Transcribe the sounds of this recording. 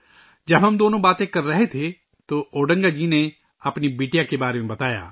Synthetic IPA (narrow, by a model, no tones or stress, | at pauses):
d͡ʒəbɦɐmd̪oːnõːbaːt̪ẽkəɾːəɦet̪ʰe | t̪oʔoːɖə̃ŋɡaːd͡ʒiːne | əpnibeːʈijakebaːɾemẽbɐt̪aːja̰ː